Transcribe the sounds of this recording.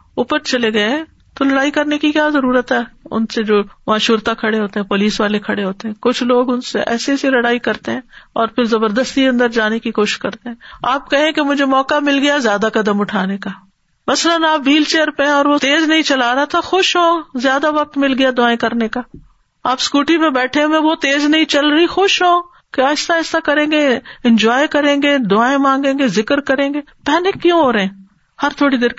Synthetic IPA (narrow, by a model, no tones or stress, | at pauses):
ʊpəɾt͡ʃɐleɡɐeɦɛ̃ː | t̪olɐɽaːikɐɾnekikjaːzɐɾuːɾət̪ɦɛːʊ̰nsed͡ʒoːmãːʃuːɾt̪akʰɐɽeɦoːt̪eɦɛ̃ːpoːliːsʋaːlekʰɐɽeɦoːt̪eɦɛ̃ːkʊt͡ʃʰloːɡʊnseʔɛ̰ːseselɐɽaːikɐɾt̪eɦɛ̃ːɔːɾpʰɪɾzɐbəɾd̪əst̪iɐ̃nd̪əɾd͡ʒaːnekikoːʃɪ̥ʃkɐɾt̪eɦɛ̃ːaːpkɐɦẽkemʊd͡ʒʱemɔːkamɪlɡɐjazjaːd̪akɐd̪əmʊʈʰaːnekaː | mɐslənaːpʋiːlt͡ʃeːəɾpeɦɛ̃ɔːɾʋot̪eːznɐɦĩt͡ʃɐlaːɾat̪ʰaxʊʃɦoːzjaːd̪aʋɐk̚t̪mɪlɡɐjad̪ʊaːẽkɐɾnekaː | aːpskuːʈimẽbɛːʈʰemẽʋot̪eːznɐɦĩt͡ʃɐlɾɐixʊʃɦoː | keaːɪsaɪst̪akɐɾẽːɡeɪ̃nd͡ʒɔːjkɐɾẽːɡeːd̪ʊaːẽmãːŋɡẽːɡezɪkəɾkɐɾẽːɡeːpɛːnɪkːjũɦoːɾɐɦẽː | hɐɾt̪ʰoːɽid̪eːɾk